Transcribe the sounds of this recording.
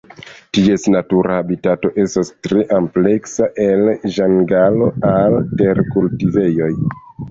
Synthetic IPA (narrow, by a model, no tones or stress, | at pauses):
tie̞snatuɾʔahabitato̞ʔe̞stastɾeʔample̞ksaʔe̞lʒaŋɡalo̞alte̞ɾkultive̞jo̞j